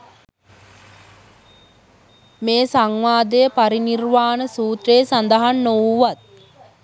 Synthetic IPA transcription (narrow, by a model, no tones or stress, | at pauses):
meːsaŋʋaːd̪əjəpaɾinirʋaːnəsuːt̪reːsand̪əɦanːoʋuʋat̪̚